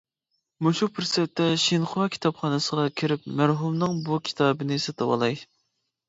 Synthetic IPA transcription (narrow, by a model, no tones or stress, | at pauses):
muʃupʰɪɾsɛt̪ːɛʃinχʊɑkʲʰi̥t̪ʰɑpχɑnɨsəʁɑkʲʰiɾɪpmæɾɦumnɨŋbukʲʰi̥t̪ʰɑːbɨnɪsɨt̪ʰɨwɑ̰lˠɑj